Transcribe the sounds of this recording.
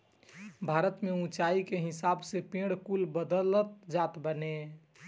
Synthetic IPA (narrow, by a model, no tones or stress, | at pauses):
bʱaɾət̪meũt͡ʃaikeɦɪsabsepẽɽkulbəd̪ələt̪d͡ʒat̪bəne